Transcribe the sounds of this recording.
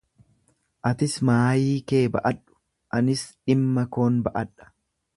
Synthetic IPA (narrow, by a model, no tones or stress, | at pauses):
ʔɐt̪ɪsmaːjiːke̞ːbɐ̰ʔɐᶑʊ̥ | ʔɐnɪsᶑɪmːɐko̞ːnbɐʔɐᶑːɐ̥